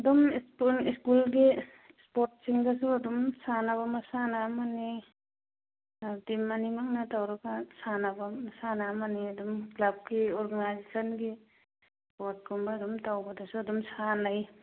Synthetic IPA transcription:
ɐdumspuiskulɡi | spoɾʈ̚siŋdas̬uɐdumsanaβamɐsanamani | timːanimaŋnatawɾaɡasanabamɐsanamaniɐdumklab̚ɡiɔɾɡanajzesanɡi | spɔɾt̚kumbadumtawbadasuɐdumsanaj

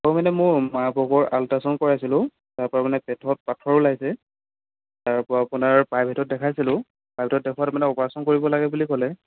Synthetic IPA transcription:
kɔmanɛmʊmabɔɡɔɹaltasɔnkɔɹasilʊ̃ | taɹpɔɹamanɛpɛtʰɔt̚patʰɔɹʊlaɡjsɛ | taɹpɔɹaapʊnaɹpajbʱitʰɔt̚dɛkʰajsilʊ̃ | pabʱitɔt̚dɛkʰwatmanɛɔpɔɹasɔnkoɹibɔlaɡɛbulikɔlɛ

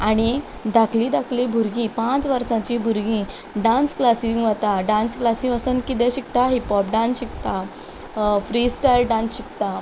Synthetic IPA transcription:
aɽ̃i | d̪akʰlĩːd̪akʰlibʱuɾɡĩːpãt͡sʋəɾsãt͡ɕibʱuɾɡĩ | ɖãnsklasiŋɡʋat̪aɖãnsklasĩəsənkit̪̬ɛ̃ɕik̚t̪aɦipɔp̚ɖãnsɕikt̪a | fɾisʈajlɖãnsɕik̚t̪a

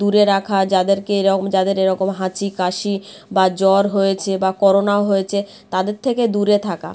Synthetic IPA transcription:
d̪uɾeɾakʰad͡ʑad̪eɾkeeɾɔmd͡ʑad̪eɾeɾɔkomɦãt͡ɕʰikaʃi | bad͡ʑɔɾɦojet͡ɕʰebakɔɾonaoɦojet͡ɕʰe | t̪ad̪eɾt̪ʰeked̪uɾet̪ʰaka̰

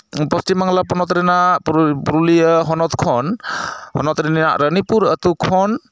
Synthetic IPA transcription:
pɔstimaŋlapɔnɔt̪ɾɛnapuɾulijəɦɔnɔt̪kʰɔnhɔnɔt̪ɾɛnia̰ʔɾənipuɾət̪ukʰɔn

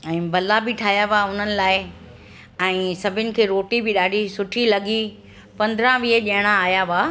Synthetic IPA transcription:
ɛ̃ːbɐlabɪʈʰaːɦjaʋaʊn̤ənɪ̆laːɪ | ɛ̃ːsɐbʱɪnɪ̆kʰeːɾoːʈibɪɗaːɖʱisʊʈʰilɐɠi | pɐ̃nd̪ɾə̃ʋiəʄɐəɽ̃aːɦjaʋa

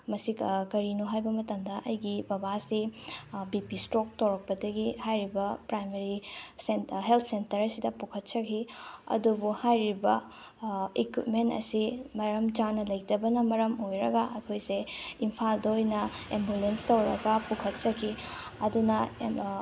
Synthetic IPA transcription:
mɐsikkɐɾinuɦajbɐmɐtɐmdɐʔɐjɡibɐbasibipistɾok̚tɐwɾɐk̚pɐdɐɡihajɾibɐpɾajmeɾiseɦelt̪ʰsentɐɾɐsidɐpukʰɐt̚t͡ʃɐkʰiɐ̰dubuhajɾibɐ | ekwit̚mentɐ̰simɐɾɐmd͡ʒanɐlɐjdɐbɐnɐmɐɾɐmojɾɐɡɐʔɐkʰojseimpʰaldɐojnɐembulenstɐwɾɐɡɐpukʰɐt̚t͡ʃɐkʰiɐdunɐ

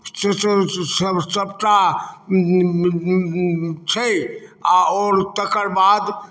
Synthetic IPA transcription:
sssəsəbʈa | t͡ʃʰəjaoɾt̪əkəɾbad̪

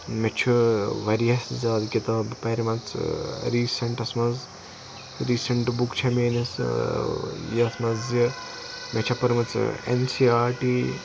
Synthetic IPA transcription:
met͡ʃʰuʋɐɾijɐszʲaːd̪kit̪ɐpɐɾimɐnt͡sɾiːsɐɳʈɐsmɐz | ɾiːsɐɳʈbukt͡ʃʰɐmeːnis | jsmɐzi | met͡ʃʰɐpɐɾmɐt͡sḛnsiːaːɾʈiː

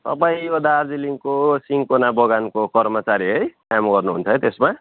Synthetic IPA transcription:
t̪ʌ̰paĩod̪aːd͡ziliŋkosiŋkonabʌɡankokʌrmʌt͡saɾiɦʌjkamɡʌrnuɦṵnt͡sʰʌjt̪esma

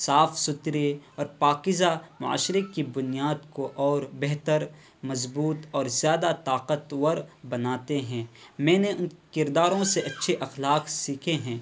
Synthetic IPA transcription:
saːfsʊt̪ɾeɔːɾpaːkɪzamʊa̰ːʃɾekibʊnijaːd̪koʔɔːɾbɛɦt̪əɾ | mɐzbuːt̪ɔːɾzjaːd̪at̪aːqət̪wɐɾbɐnaːt̪eɦɛ̃ːmɛ̃ːneʊnkɪɾd̪aːɾõseɐtːʃʰeʔɐxlaːqsiːkʰeɦɛ̃ː

